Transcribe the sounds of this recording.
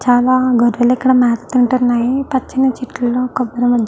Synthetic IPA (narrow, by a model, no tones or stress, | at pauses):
t͡ʃaːlaːɡɔɾʋɐlikːɐɽɐmaːt̪ɐ̥t̪iɳʈunːaːjipɐt͡ʃːinːɐt͡ʃiʈːlɐlːoːkɔbːɐɾɐmɐd̪ʱj